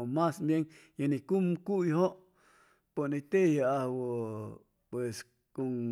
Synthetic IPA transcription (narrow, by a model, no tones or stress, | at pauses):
omasbjeŋjanikumkujɦoʔ | ponit̪ejaahwo | pwes | koŋ